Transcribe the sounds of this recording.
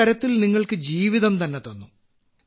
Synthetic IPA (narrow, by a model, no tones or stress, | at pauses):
ɐɾɐt̪ːilniŋːɐɭkɨd͡ʑiːʋiðɐmt̪ɐnːet̪o̞nːu